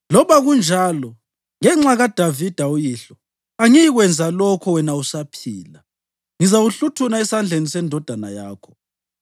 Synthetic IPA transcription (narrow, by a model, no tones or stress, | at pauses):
lɔβaɣund͡ʒʱalɔ | ŋɛŋ͡ǁaɣad̥ʱavid̥ʱaujiɬɔ | aŋijiɣwɛnd͡zʱalɔkʰɔwɛnausapʰiːla | ŋizawuɬutʰunaɛsand͡ɮʱenisɛndʱɔd̥ʱanajaːkʰɔ̥